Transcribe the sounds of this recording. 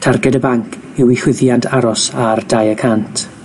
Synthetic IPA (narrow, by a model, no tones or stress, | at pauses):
tʰarɡɛdəbaŋkʰ | ɪwɪhwɪðjantʰaɾɔsardajəkʰantʰ